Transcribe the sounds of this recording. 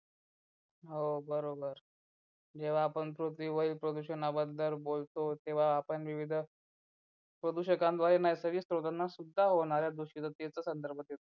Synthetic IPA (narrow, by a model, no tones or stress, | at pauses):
ɦobəɾobəɾ | d͡ʑeʋ̤aːpəɳpɾot̪iʋəiːlpɾəd̪uɕənabəd̪əɾbolt̪ot̪eʋ̤aːpəɳʋiʋid̪ʱ | pɾəd̪uɕəkãnd̪ʋaɾenajsəɡiːst̪ɾod̪anːasud̪ʱːaɦoɳ̃aɾjad̪uɕit̪ət̪et͡səːsənd̪əɾbʱət̪jet̪o